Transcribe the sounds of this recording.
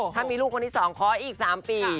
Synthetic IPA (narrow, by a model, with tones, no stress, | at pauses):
tʰaː˥˩nmiː˧luː˥˩k̚ʰːo˧nt̪ʰiː˦˥˩sɔː˩˦ŋkʰɔː˦˥ʔiː˨˩k̚saː˩˦mpiː˧